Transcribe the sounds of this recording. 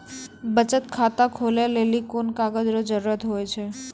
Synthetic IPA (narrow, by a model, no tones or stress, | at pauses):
bət͡ʃət̪kʰat̪akʰoljalelikonkaɡəd͡ʒɾod͡ʒəɾɾət̪ɦojt͡ʃʰe